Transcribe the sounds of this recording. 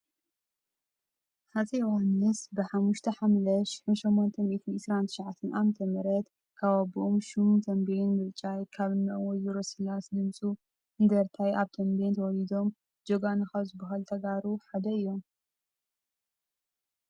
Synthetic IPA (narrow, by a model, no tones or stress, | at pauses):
hat̪ʰewanɨsbɨħamːuʃt̪ʰɐħamlɐʃɪ̥ħunʃomːont̪ʰɐmit̪ʰunʔɨsɾant̪ʰɨʃʕat̪ʰːɐnʔamɐt̪ʰɐmɐɾɐt̪ | kʰaβabiʔomʃumt̪ʰɐmbejnmɨlt͡ʃʼajkʰaβɨnːɐ̰wɔjuɾosilasd̪ɨmsʼu | ɨnd̪ɐɾt̪ʰajʔaβt̪ʰɐmbent̪ʰɐwɔlid̪o̞m | d͡ʒoɡanɨxɐβzɨbɐɦalt̪ʰɐɡaɾuħad̪ɐɨjːo̞m